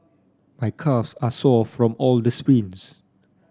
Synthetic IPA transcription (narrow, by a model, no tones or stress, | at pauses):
majkʰafsasɔfɹɔ̃mɔldəspɹĩns